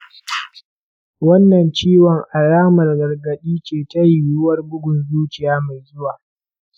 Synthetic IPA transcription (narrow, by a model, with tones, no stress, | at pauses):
wɐ˦nːɐ˨nt͡ʃiː˦wɔ˨ŋʔa˨ɽaː˦mɐ˨rɡɐ˨rɡɐ˨ɗiː˦t͡ʃeː˨tɐ˦ji˨jʊ˦wɐ˦rbʊ˦ɡʷʊ˨nzuː˦t͡ʃɪ˨jaː˦ma˨jzʊ˦waː˨